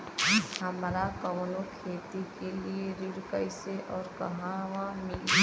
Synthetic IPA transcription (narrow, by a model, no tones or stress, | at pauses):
ɦɐmɾakəʋlõkʰeːt̪ikelieɾɪɾkəɪseʔɔːɾkɐ̰ɦãʋãmɪl